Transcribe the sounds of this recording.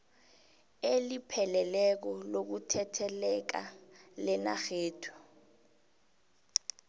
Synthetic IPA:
elipʰɛlɛlɛk̬ɔlok̬utʰɛtʰɛlɛk̬alɛna̰xeːtʰu̥

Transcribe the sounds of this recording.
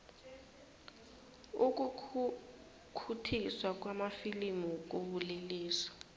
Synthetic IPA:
uk̬u | kʰutʰiswak̬wamafilimuk̬uɓuleliːsɔ̥

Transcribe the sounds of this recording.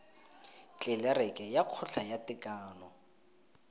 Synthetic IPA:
t͡ɬʼɪlɛɾɛkʼɛjaq͡χʰʊɬʰajatʼɪkʼaːlɔ

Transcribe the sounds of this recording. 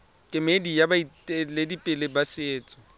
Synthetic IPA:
kʼɪmedijabaitʼeledipʼɪlebasɪeːt͡sʼɔ̥

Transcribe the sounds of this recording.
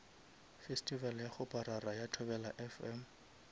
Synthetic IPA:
festʼivaljaχʊpʼaɾarajatʰʊbɛlaʔɛfɛm̩

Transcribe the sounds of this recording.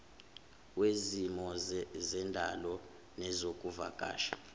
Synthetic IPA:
wezimɔzɛndʱalɔ | nɛzokʼuva̰ɡ̥ʱʼa̰ːʃḁ

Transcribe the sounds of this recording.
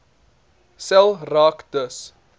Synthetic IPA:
sɛlˠrɑːkd̥əs

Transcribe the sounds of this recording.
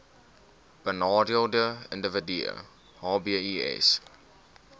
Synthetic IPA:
b̥ənɑːdiəlˠdəəndəvədiə̰ | hɑːbiəiɛ̰s

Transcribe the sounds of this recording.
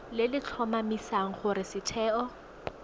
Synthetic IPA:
lɪlɪt͡ɬʰɔmamisaŋ̩χʊɾɪsɪtʰɛːʔɔ

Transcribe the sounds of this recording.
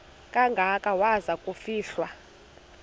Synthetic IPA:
kʼaŋɡʱakʼawazakʼufiːɬwa

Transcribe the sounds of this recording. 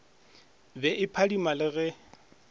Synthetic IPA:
bɛʔɪpʰadimalɪɣɛ

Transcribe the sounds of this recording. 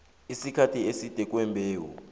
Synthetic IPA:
isikʰatʰiesid̥ʱɛk̬wɛmbʱɛːwɔ̰

